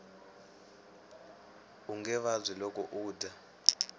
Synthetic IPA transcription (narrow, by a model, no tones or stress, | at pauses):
uŋɡɛβazʷilɔkɔʔuːdʱa